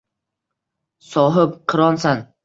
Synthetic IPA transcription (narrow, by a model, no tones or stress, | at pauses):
sɒːɦɪp̚qʰɨɾɒnsan